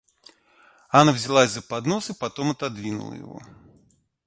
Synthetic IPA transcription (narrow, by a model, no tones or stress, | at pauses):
anavzʲɪlˠazʲzɐpad̪nɔsɨpat̪ɔmɐt̪ad̪vʲinṵlˠə̰jɪ̰ɣɔ̰